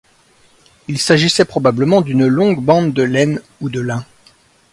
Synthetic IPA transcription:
ilsaʒisɛpχɔbabləmɑ̃d̪ynlɔ̃ɡbɑ̃d̪d̪əlɛn | ud̪əlɛ̃

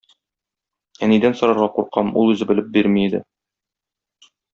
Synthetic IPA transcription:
ænid̪ænsŏɾɑɾʁɑquɾqɑmṵlˠʉzɘ̆bɘ̆lɘp̚biɾmiːd̪ɘ̰

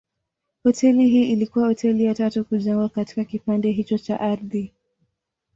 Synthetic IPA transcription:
hɔtʰɛliɦiːilikuwahɔtʰɛlijatatukuʄaŋɡwakati̥kakipandɛɦit͡ʃɔt͡ʃa̰ʔaɾði

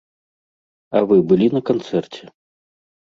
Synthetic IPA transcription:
ɐvɨbɨlʲinɐkant̪sɛrt͡sʲɛ

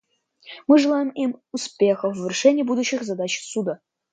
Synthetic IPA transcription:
mɨʐɨlˠajəmimʲuspʲexəvvʲɪrʂɛnʲɪjbud̪uɕːɪxzad̪at͡ɕsud̪ə

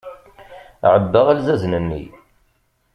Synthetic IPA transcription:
ʕəbːəʁælzæznənːḭ

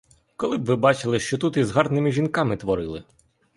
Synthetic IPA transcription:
kɔlˠɪbʋɪbɑt͡ʃɪlˠɪʃt͡ʃɔt̪ut̪izɦɑrnɪmɪʒʲinkɑmɪt̪ʋɔɾɪlˠɪ

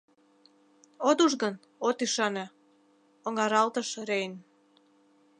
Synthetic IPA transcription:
ot̪uʒɣən | ot̪iʃɑnĕ | oŋɑɾɑlt̪əʃɾejn

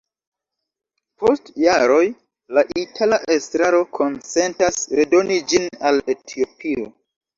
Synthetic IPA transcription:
po̞stjaɾo̞j | laʔitʰalaʔe̞stɾaɾo̞kʰo̞nt͡se̞ntasɾe̞do̞nid͡ʒinale̞tʰio̞pʰio

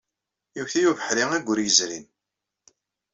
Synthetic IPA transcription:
juçθijuvəħɾiŋæɡʷːʊɾjəzɾin

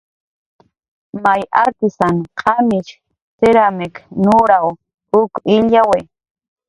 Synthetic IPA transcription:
majaɾt̪ɪsanqʰamɪt͡ʃ | seɾameknuɾaw | ʊkɪʎawe

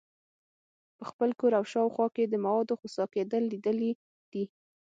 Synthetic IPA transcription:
pəxpəlkoɾawʃɑwxwɑked̪əmawɑd̪oxosɑked̪əlːid̪əli | d̪̥i

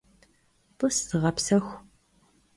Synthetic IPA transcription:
tʼɨstɨʁɐpsɐxʷ

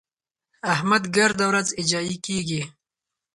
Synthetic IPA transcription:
ɐhmɐd̪ɡɐɾd̪awɾazɪd͡ʒaːikiːɡi

